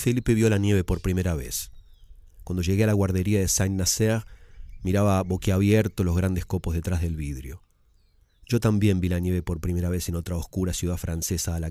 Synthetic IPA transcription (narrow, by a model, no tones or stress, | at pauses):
felipe̞βjo̞lanje̞βe̞po̞ɾpɾime̞ɾaβḛs | kwand̪oʒe̞ɣe̞alaɣwaɾð̞e̞ɾiaðesajnaseʁmiɾaβaβo̞keaβjeɾt̪olo̞zɣɾand̪ehsko̞po̞zðe̞t̪ɾazðe̞lβiðɾjo̞ | ʒ̥o̞t̪ambje̞mbilanje̞βe̞po̞ɾpɾime̞ɾaβe̞seno̞t̪ɾaoskuɾasjuðafɾanse̞saːla